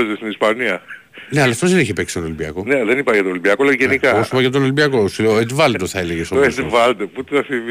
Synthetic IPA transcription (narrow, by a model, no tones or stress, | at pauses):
zest̪inispɐniɐ | neɐlɐft̪ozðeniçepeksi̥t̪onolibiɐ̰ko̞neðenipɐʝɐt̪olibiɐkoleʝenikɐosipɐʝɐt̪̬onolibiɐko̞suleoet̪vɐld̪oθɐeleʝesooevɐld̪oput̪iɐθiv